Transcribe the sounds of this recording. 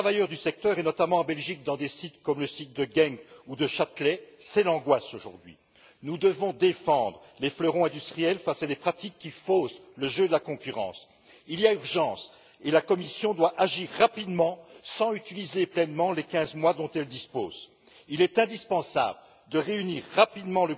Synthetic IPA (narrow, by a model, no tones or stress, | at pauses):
t̪χavajœʁd̪ysɛk̚t̪œʁɛnɔt̪amɑ̃ɑ̃bɛlʒik̚d̪ɑ̃d̪esit̪kɔmləsit̪̚d̪əɡɛŋɡud̪əʃat̪lɛsɛlɑ̃ɡwasoʒṵʁd̪ɥḭ | nud̪əvɔ̃d̪efɑ̃d̪ʁəleflœʁɔ̃ɛ̃d̪yst̪χijɛlfasad̪epχat̪ikːifosləʒød̪əlakɔ̃kʲyʁɑ̰̃s | iliayʁʒɑ̃s | elakɔmisjɔ̃d̪waʔaʒiʁːapid̪mɑ̃sɑ̃yt̪ilizeplɛnmɑ̃lekʲɛ̃zmwad̪ɔ̃t̪ɛld̪ispoːz | ilɛt̪ɛ̃d̪ispɑ̃sa̰blə | d̪əʁeyniʁːapid̪mɑ̃lə